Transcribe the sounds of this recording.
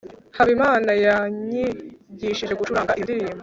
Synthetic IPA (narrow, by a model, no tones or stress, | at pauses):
haβimaːnajaɲiɟiʃiʒe̞ɡut͡ʃuɾaːŋɡaʔindiɾiːmbo